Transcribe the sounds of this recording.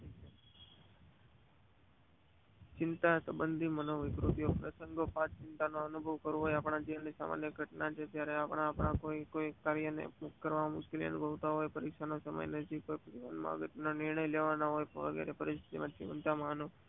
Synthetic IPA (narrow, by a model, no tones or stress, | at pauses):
t͡ʃɪnt̪asəbənd̪ʱimənoʋɪkɾut̪ijopɾəsəŋɡʱopãtt͡ʃɪnt̪anoənubʱəʋkəɾũɦojapɽ̃ãd͡ʒianisa̰ma̰njəɡʱəʈnat͡ʃʰet̪jaɾeapɳ̃ãːpɳ̃ãkoikoikaɾjənḛmʊkkəɾʋaʋamʊʃkelḭə̰nubʱəʋt̪aɦojpəɾɪkʃanosəmə̰jnəd͡ʒikojpət̪iʋa̰nmã̰ɡət̪nonɪɾɳəjleʋanaɦojʋə̰ɡɛ̰ɾepəɾɪst̪ʰi̥t̪ḭmãt͡ʃḭʋə̰nt̪amãnũ